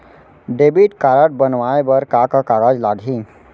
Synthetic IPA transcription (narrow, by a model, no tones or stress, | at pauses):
ɖeːbiʈkaːɾəʈ̚bənʋaːebəɾkakakaːɡad͡ʒlaːɡʱĩ